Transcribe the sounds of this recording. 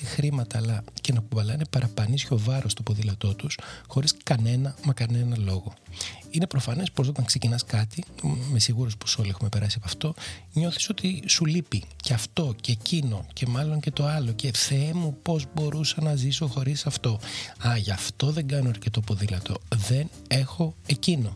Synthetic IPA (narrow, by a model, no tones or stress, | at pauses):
ixɾimɐt̪ɐːlɐce̞nɐpuvɐlɐinepɐɾʔɐpɐnisço̞vɐɾo̞st̪o̞po̞ðilɐt̪o̞t̪usxo̞ɾiskɐne̞nɐmɐkɐne̞nɐlo̞ɣo̞ine̞pɾo̞fɐne̞spos̬o̞t̪ɐŋkse̞cinɐskɐt̪ime̞siɣuɾospo̥so̞lie̞xume̞pe̞ɾɐsiepɐft̪o̞ | ɲo̞θi̥so̞t̪isulipiceɐft̪o̞ceːcino̞cʰe̞mɐlo̞ɲce̞t̪o̞ɐlo̞ce̞θemupo̞zbo̞ɾusɐnɐziso̞xo̞ɾisɐft̪o̞ɐʝɐft̪o̞ðe̞ŋɡɐno̞ɐɾce̞t̪o̞po̞ðilɐt̪o̞̰ðe̞n | e̞xo̞e̞cino̞